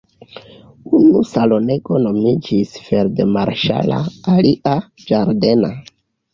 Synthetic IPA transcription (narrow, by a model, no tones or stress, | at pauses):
unusalo̞ne̞ɡo̞no̞mid͡ʒisfe̞ɾde̞maɾʃa̰la̰aliʔad͡ʒaɾde̞na